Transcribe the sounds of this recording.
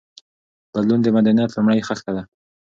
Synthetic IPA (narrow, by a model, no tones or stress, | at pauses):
b̥ad̪lund̪əmad̪anjat̪lumɽəjxalkad̪a